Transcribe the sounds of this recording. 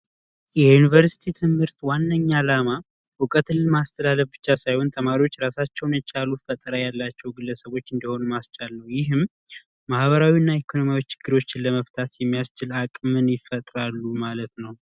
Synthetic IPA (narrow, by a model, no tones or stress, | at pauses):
jɛjunivəɾsi̥t̪ʰit̪ʰɨmhɨɾt̪wanːəɲːalama | wʊkʼət̪ʰɨlːɨlmast̪ʰəlaləfbɨ̥t͡ʃːasajho̞nt̪ʼʰəmaɾiwot͡ʃːɾasat͡ʃːɛwnjɛt͡ʃʼalufət̪ʼɾəjalːat͡ʃːɛwɡɨlːəsəβo̞t͡ʃːɨnd̪əho̞numast͡ʃʼalːəwjɪɦɨmː | ahβəɾawiɨnːaekʰono̞mijawit͡ʃʰɪ̥ɡ̥ːɨɾwo̞t͡ʃːɪnləməft̪ʰat̪jɛmːijast͡ʃɪlakʼmɨnjɪfət̪ʼɾalːumalət̪nəw